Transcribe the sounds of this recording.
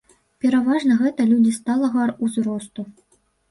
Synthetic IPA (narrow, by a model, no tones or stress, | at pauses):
pʲɛɾavaʐnɐɣɛt̪ɐlʲud͡zʲist̪alˠɐɣaruzɾɔst̪u